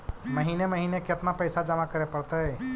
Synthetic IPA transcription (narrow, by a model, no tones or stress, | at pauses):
mɐɦiːneməɦiːnekɪt̪napɐɪsad͡ʒəmakəɾepɐɽt̪aɦɛː